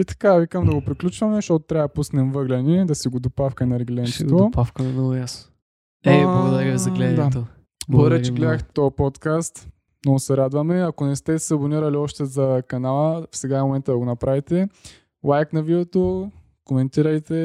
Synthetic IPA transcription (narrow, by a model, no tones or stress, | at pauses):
it̪ɐ̥kavikəmd̪ɐɡopɾiklʲut͡ʃvɐmɛʃt̪ɔt̪o̥t̪ɾʲavɐd̪ɐpusnɛmvɤɡlʲɛnɛd̪ɐsiɡod̪opafkənɐɾɛɡlɛnt̪it̪odpafkɐnɐnɔvʊjasno̥ | ɐd̪ɛɡzɐɡlɛd̪at̪o | bəɾɛt͡ʃɛɡlɛd̪əxt̪t̪ɔɐpɔt̪kast̪ | mnɔɡʊsɛɾad̪vɐmɛɐkonɛst̪ɛsɛɐboniɾɐliɔʃt̪ɛzɐkɐnalˠəfsɛɡamomɛnt̪əd̪ɐɡonɐpɾavit̪ɛ | lˠajknɐvid̪ɛt̪o | komɛnt̪iɾɐjt̪ɛ